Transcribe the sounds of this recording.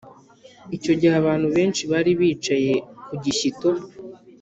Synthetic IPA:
ico̞ɟihaβaːn̥huβe̞ːnʃiβaːɾiβiːt͡ʃaje̞kuɟiçito

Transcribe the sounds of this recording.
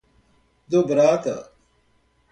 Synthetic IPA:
d̪obɾaːka̰

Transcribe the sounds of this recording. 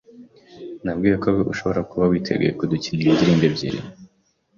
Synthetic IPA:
nabɡiːjakoɡoʔuʃo̞βo̞ɾakuβawiːtʰe̞̰ɡḛkuduciːniɾidiɾiːmbebɟḭɾḭ

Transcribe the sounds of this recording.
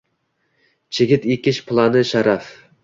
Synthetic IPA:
t͡ʃʰeɡʲɪt̪ekʲɪt͡ʃpʰlˠanɪʃaɾaf

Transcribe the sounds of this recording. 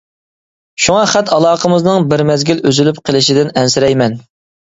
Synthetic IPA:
ʃuŋɑχæt̪ʰɑlˠɑːqəmɨznɨŋbɪɾmɛzɡʲiløzylypqʰəlˠɪʃɪd̪ɪnɛnsɪɾɛjmɛn

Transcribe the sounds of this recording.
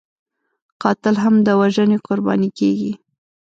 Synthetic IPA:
qɑt̪ɪlɦamd̪əwaʒəneqʊɾbɑ̰nikeɡi

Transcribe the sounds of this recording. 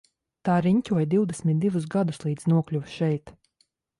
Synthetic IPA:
t̪aːɾiɲʲcʲuɔjd̪iwd̪ɛsmʲit̪̚d̪ivus̬ɡad̪uslˠiːd̪znuɔklʲuvʃɛjt̪

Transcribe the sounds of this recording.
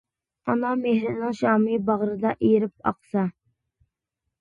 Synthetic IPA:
ɑnɑmehɾɪnɪŋʃɑːmɨbɑʁɾɨd̪ɑʔejɾɪp̚ɑ̰qsɑ

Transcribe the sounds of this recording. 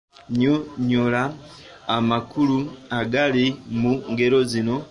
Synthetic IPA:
ɲoɲolaː | makuluaɡalimuŋɡe̞ɾo̞zino̞

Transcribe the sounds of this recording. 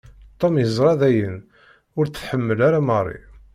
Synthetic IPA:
t̪ˤːomjəzˤɾˤɑðæjən | ʊɾt͡sħəmːəlaɾamərˤːḭ

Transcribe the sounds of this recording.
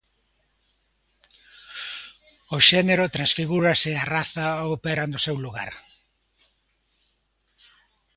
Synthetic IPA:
ʊʃɛneɾʊt̪ɾansfiɣuɾɐsɪaraθaopɛɾɐnʊsewluɣa̰ɾ

